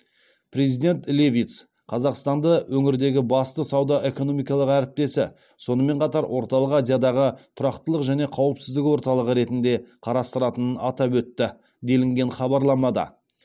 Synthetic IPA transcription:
pʰɾe̞zijd̪e̞nt̪lʲevʲit̪s | qʰɑzɑqst̪ɑnd̪əwʔɵŋɪɾd̪e̞ɡʲɪbɑst̪əsɑwd̪ɑʔe̞ko̞no̞mijkɑlˠəqæɾɪp̚t̪e̞sɪ | so̞nəme̞ɴqɑt̪ɑɾwʔo̞ɾt̪ɑlˠəqazʲijad̪ɑʁət̪ʰʊɾɑqt̪əlˠəqʒæne̞qʰɑwəpsɪzd̪ɪkʲwo̞ɾt̪ɑlˠəʁəɾe̞t̪ɪnd̪e̞qʰɑɾɑst̪əɾɑt̪ənənɑt̪ɑpwɵt̪ːɪ | d̪e̞lɪŋɡʲe̞nχɑbɑɾlˠɑmɑd̪ɑ̰

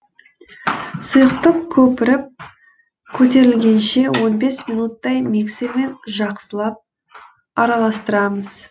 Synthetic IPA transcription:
sʊjəqt̪əqkʲʰɵpɪɾɪp̚ | kʲʰɵt̪e̞ɾɪlɡʲe̞nʃe̞wo̞nbe̞sminut̪ːɑjmekseme̞nʒɑqsəlˠɑp̚ | ɑɾɑlˠɑst̪əɾɑməz̥

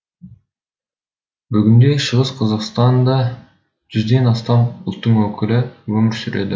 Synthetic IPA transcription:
bʏɡʲɪnd̪e̞ʃəʁəsqʰɑzɑqst̪ɑnd̪ɑ | ʒ̥ʏzd̪e̞nɑst̪ɑmʊlˠt̪ːəɴwɵkʲɪlɪwɵmɪɾsʏɾe̞̰d̪ɪ

